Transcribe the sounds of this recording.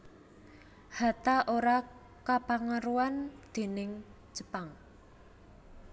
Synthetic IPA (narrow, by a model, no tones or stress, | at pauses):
ha̤t̪aʔoɾa | kapaŋəɾuwand̪̥e̤nɪŋ̥ | d͡ʒ̥ə̤paŋ